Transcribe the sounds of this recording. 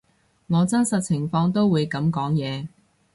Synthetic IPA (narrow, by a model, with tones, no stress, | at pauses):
ŋɔː˨˧t͡sɐ˥nsɐ˨t̚t͡sʰɪ˨˩ŋfɔː˧ŋt̪o˥wwuː˨˧jkɐ˨˧˥mkɔː˨˥ŋjɛː˨˧